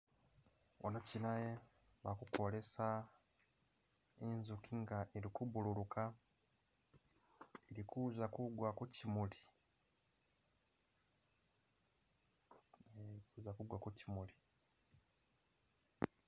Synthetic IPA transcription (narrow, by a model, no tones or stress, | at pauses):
wʔo̰nocinaje | βakuko̞le̞sa | enzukʰiŋɡaʔeɾikubululuka | eɾikʰuzakuɡwakucimuli̥ | eikuzakuɡwakucimuli